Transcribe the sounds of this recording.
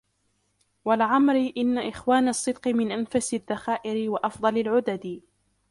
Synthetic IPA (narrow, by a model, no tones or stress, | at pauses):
walʕamɾɪʔɪnːaʔɪxwaːnɑsˤːɨd̪qɨmɪnʔanfasɪðːaxaːʔɪɾɪwaʔɑfd̪ˤɑlalʕʊd̪ad̪